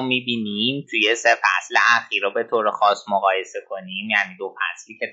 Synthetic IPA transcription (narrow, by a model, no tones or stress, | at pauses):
miːbinimt̪ʰujesefæ̰slḛʔæxiːɾobe̞t̪ʰoːɾexɒːsmoɣɒːje̞se̞kʰo̞nimjæːniːd̪o̞fæ̰sliːcʰe